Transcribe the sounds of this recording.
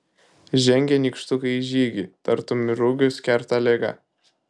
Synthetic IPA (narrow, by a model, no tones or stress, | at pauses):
ʒʲɛŋʲɡʲɛnʲiːˑkʃt̪ʊkɐɪʒʲiːɡʲit̪ɐɾt̪ʊmʲɪɾʊɡʲʊsʲkʲɛɾt̪ɑlʲeːɡɐ̰